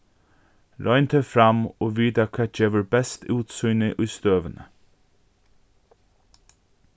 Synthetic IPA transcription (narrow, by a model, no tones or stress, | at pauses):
ɾɔjnt̪ʰɛfɾamoːʋiːd̪akʰaːd͡ʒeːʋəɹbɛst̪ʰuːt̪sujnɪʔʊjst̪øːvənə